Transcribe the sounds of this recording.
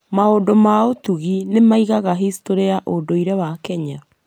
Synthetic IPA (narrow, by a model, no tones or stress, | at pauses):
maodomaotuɣinemaiɣaɣaɦistoɾeaʔodoiɾɛwakɛɲa